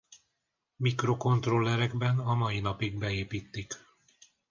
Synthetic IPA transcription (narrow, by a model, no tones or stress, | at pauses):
mikro̞ko̞nt̪rolːɛɾɛɡbɛnɒmɒjinɒpiɡ̚bɛeːpiːt̪ːik